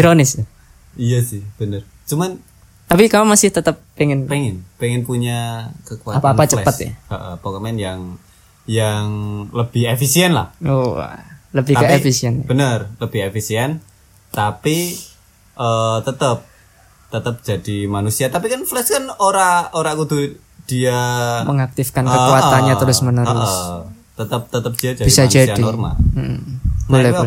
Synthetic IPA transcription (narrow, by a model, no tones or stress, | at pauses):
iɾonɪs | ijasɪhb̥ənər | t͡ʃuman | t̪apikaamasɪht̪ət̪əpːeŋɛnpɛŋɪnpɛŋɪnpuɲakəkuaapaapat͡ʃəpət̪a̰ə̰ʔə̰pokəmaɛnjaŋ | jaŋləb̥ɪhefisiɛnla̰hoa̰ləbɪhkaefisiɛnb̥ənərləb̥ɪefisiɛn | t̪api | ʔət̪ət̪əp̚ | t̪ət̪əp̚d̥d͡ʒ̥ad̥imanusiat̪ap̬ikanflɛskənoɾaoɾakut̪u | d̥iaməŋak̚t̪ifkanəkuat̪anɲat̪əɾʊsmənəɾʊəs | t̪ət̪əp̚t̪ət̪əp̚d͡ʒ̥iad͡ʒadbisad͡ʒadainɔrma̰lm̩ʔ̩bolɛh